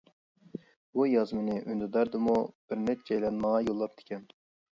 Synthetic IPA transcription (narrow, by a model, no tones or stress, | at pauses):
bujɑzmɨnɨʔynd̪ɨd̪ɑɾd̪ɨmub̥ɪɾnɛt̪̚d͡ʒɛjlɛnmɑŋɑjolˠːɑp̚d̪̥ɪ̥kʲɛn